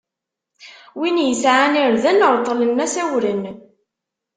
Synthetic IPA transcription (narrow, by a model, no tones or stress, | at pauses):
winjəsʕaniɾðənəɾˤt̪ˤːlənːæsæwɾən